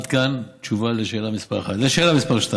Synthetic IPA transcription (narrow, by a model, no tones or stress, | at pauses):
t̪kant͡ʃuvaleʃeːlamispaʁaχat̪leʃeːlamispaʁʃt̪a